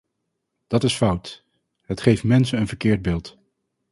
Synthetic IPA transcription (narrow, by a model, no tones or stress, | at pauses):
d̥ɑtɪsfʌwt | ɦətχejfmɛnsənənvəɹkɪːɹd̚bɪːlˠt